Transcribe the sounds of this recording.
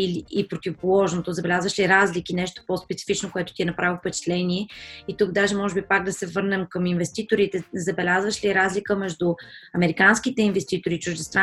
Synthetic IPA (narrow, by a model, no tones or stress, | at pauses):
iliːpɾot̪ivopolˠɔʒnot̪ozɐbɛlʲazvəʃliɾazlikinɛʃt̪o̥pospɛt̪si̥fit͡ʃnokoɛt̪ʊ̥t̪ʲiɛnɐpɾavifpɛt͡ʃɛ̥t̪lɛnʲiɛit̪uɡd̪aʒɛmɔʒɛbipaɡ̚d̪ɐsɛvɤɾnɛmkəminvɛst̪it̪oɾit̪ɛzɐbɛlʲazvəʃliɾazlikəmɛʒd̪ʊɐmɛɾikanskit̪ɛinvɛst̪it̪oɾit͡ʃʊʒd̪ɛst̪ɾ